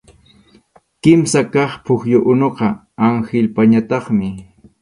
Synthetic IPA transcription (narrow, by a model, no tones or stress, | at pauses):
kɪmsakɑχpʰʊxjʊʔʊnoqɑ | aŋxɪlpaɲat̪ɑχmɪ